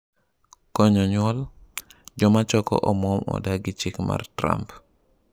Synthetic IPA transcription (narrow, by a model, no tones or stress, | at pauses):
kɔɲɔɲɔl | d͡ʒɔmat͡ʃɔkɔ̰ʔɔmɔmɔ̰daɡit͡ʃikma̰ɾtɾa̰mp